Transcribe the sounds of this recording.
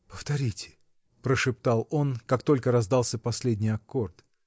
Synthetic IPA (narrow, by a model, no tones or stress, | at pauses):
pəft̪ɐɾʲitʲɪ̥ | pɾəʂɨp̚t̪ɑlˠo̞nkakt̪o̞lʲkəɾɐzd̪ɑlˠsʲəpɐsʲlʲedʲnʲɪjɐkːort̪